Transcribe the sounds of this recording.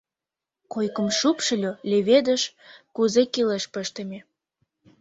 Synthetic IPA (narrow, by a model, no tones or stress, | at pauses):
kojkə̆mʃupʃə̆lʲolʲeβed̪ə̆ʃ | kuzekileʃpəʃt̪ə̆mʲe